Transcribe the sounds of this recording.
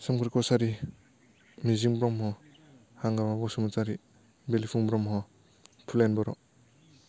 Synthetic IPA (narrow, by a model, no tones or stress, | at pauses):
sɔmkʰɾikɔsaɾi | miziŋbɾɔmɦɔ | haŋɡamabɔsumat͡ʃaɾi | belipʰuŋbɾɔmɦɔ | pʰulenbɔɾɔ